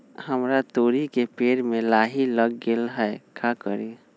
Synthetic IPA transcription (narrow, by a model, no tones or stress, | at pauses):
həmɾat̪oːɾikepeːɾmẽlaːɦiləɡːeːlɦɛekʰakə̰ɾe